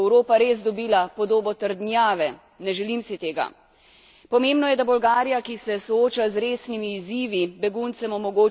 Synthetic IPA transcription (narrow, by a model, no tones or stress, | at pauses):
wɾoːpaɾeːzd̪ɔbiːlapɔd̪oːbɔt̪əɾd̪nʲjaːʋɛ | nɛʒɛlimsit̪eːɡa̰ | pɔmẽːmbnɔjɛd̪abɔlɡaːɾijakisɛsɔoːt͡ʃazɾeːsnimiːziːʋibɛɡunt̪sɛmɔmɔɡoː